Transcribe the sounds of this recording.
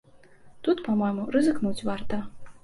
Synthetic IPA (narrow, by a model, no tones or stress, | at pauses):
t̪ut̪pamɔjmuɾɨzɨknut͡sʲvart̪ɐ